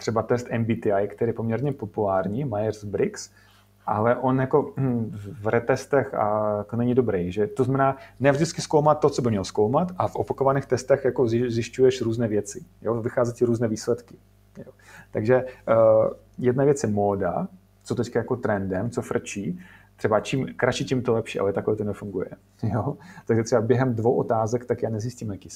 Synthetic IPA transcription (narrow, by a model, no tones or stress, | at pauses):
t̪r̥ɛbat̪ɛst̪ɛmbit̪ɪajkt̪ɛɾipomɲɛɾɲɛpo̞pulaːɾɲiːmajɛrzbɾɪks | ʔalɛʔo̞njako̞vɾɛt̪ɛst̪ɛxa̰jakonɛɲɪdobɾɛjʒɛt̪oznamɛnaːnɛvʒdɪt͡skɪskowmat̪t̪ːot͡sobɪmɲɛloskowmat̪ʔafʔopakovanɛːxt̪ɛst̪ɛxjakozzjɪʃcujɛʃɾuːznɛːvjɛt͡sɪjovɪxaːzɛcɪɾuːznɛːviːslɛt̪kɪ̥ | jo | t̪aɡʒɛ | jɛdnavjɛt͡sjɛmoːda̰ | t͡sot̪ɛckajakot̪ɾɛndɛmt͡sofr̩t͡ʃiː | t̪r̥ɛbat͡ʃimkɾat͡ʃiːcimt̪olɛpʃḭːʔa̰lɛt̪akovɛːt̪onɛfuŋɡujɛ̰ | jot̪aɡʒɛt̪rɛbabjɛɦɛmdvo̞wʔot̪aːzɛkt̪akjaːnɛzisciːmjakiː